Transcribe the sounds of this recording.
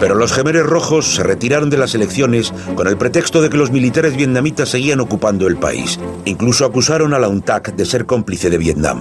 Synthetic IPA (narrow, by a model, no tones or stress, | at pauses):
pe̞ɾo̞lo̞sxe̞meɾe̞zro̞xo̞sːe̞ret̪iɾaɾo̞nd̪e̞lase̞le̞kθjo̞ne̞s | ko̞ne̞lpɾe̞t̪e̞kst̪o̞ðe̞ke̞lo̞zmilit̪aɾe̞zβje̞t̪nãmit̪asːe̞ɣ̞iano̞kupand̪o̞e̞lpa̰ḭsiŋkluso̞akusaɾo̞nalaunt̪akd̪e̞se̞ɾko̞mpliθe̞ð̞e̞βje̞t̪na̰m